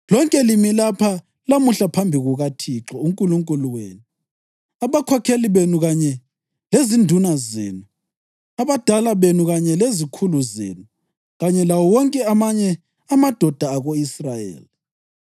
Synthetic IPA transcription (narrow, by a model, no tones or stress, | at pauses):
lɔŋkʼɛlimilapʰa | lamuɬapʰambʱiɣuɣatʰiǁɔuŋkʼuluŋkʼuluwḛːnu | aβakʰɔkʰeliβenuɣaɲɛ | lezindʱunazḛːnu | aβad̥ʱalaβenuɣaɲɛlezikʰuluzḛːnu | ɣaɲɛlawɔwɔŋkʼɛamaɲɛ | amad̥ʱɔd̥ʱaːɣoisrajḛːli